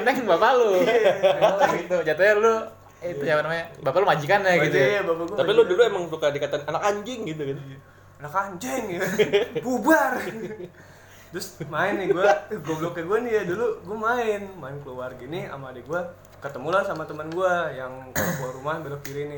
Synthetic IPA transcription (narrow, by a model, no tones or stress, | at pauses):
ənaŋŋbapalo | ɡit̪ud͡ʒat̪aɲalo | it̪ud͡ʒapanamaɲabapalomad͡ʒikanaɡit̪ujabapaɡuat̪apilʊduluemaŋsukadikat̪ananakaɲd͡ʒɛŋɡit̪uɡit̪ | anakaɲd͡ʒɛŋukubar | t̪ɾʊsmaɪnːɪɡuaɡuablokəɡuanijaduluɡuamaɪnmaɪnkəluarɡinia̰maːdaɡua | kət̪əmulahsamat̪əmənɡuajaŋkalkuɾumabelokiɾinɪ